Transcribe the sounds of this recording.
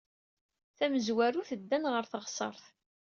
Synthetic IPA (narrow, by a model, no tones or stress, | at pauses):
θæməzwæɾuθəd̪ːænʁəɾθəʁsˤə̰ɾˤθ